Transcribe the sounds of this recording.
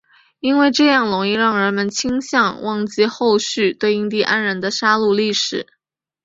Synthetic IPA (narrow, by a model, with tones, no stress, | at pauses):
i˥nwe˥˧ɪʈ͡ʂɤ˥˧jɑ˥˩ŋlʊ˧˥ŋi˥˧ɻɑ˥˩ŋɻə˧˥nmə˧nt͡ɕʰi˥ŋɕjɑ˥˧ŋwʔɑ˥˩ŋt͡ɕi˥˧xo˥˧ʊɕy˥˧t̪we˥˧ɪi˥˧ŋt̪̬i˥˩ʔa˥nɻə˧˥nd̪ə˧ʂa˥lu˥˧li˥˩ʂɻ̩˨˩˦